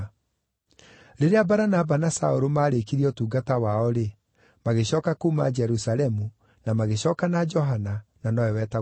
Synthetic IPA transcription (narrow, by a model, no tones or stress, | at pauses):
ɾeɾeabaɾanabanasaoɾomaːɾekiɾiɔtuːɡatawaɔɾe | maɣeɕɔːkakuːmad͡ʒɛɾusalɛmu | namaɣeɕɔːkanad͡ʒɔɦanananɔɛwɛːta